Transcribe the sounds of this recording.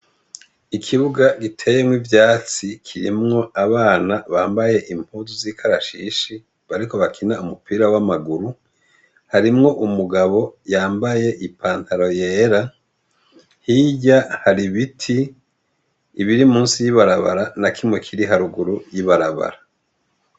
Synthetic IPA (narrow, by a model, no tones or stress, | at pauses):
ikʰiβuɡaɡitʰe̞ːje̞mŋwivjaːt͡sikʰiɾimŋo̞aβaːnaβaːmbaje̞ʔimuːzuziːkʰaɾaʃiʃi | βaɾiko̞βakʰinaumupʰiːɾawamaɡuɾu | haɾimŋo̞ʔumuɡaβo̞jaːmbaje̞ʔipʰaːntaɾo̞je̞ːɾa | hiɟahaɾiβitʰi | βiɾimuːnsijiβaɾaβa̰ɾanakimŋe̞kʰiɾiɦaɾuɡuɾujiβaɾaβa̰ɾa